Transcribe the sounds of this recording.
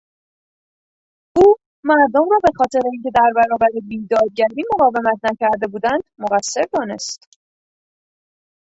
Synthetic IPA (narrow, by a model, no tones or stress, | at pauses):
ʔuː | mæɾd̪omrɒːbe̞xɒːt̪ʰe̞ɾeiːŋcʰe̞d̪æɾbæɾɒːbæɾebiːd̪ɒːd̪̚ɟæɾiːmo̞ɣɒːve̞mæt̪ʰnæcʰæɾd̪e̞buːd̪ænd̪̥moɣæsːe̞ɾd̪ɒːne̞̰st̪